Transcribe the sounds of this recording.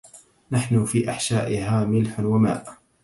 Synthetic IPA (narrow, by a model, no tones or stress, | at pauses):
naħnʊfiːʔaħʃaːʔɪɦaːmɪlħʊnwama̰ːʔ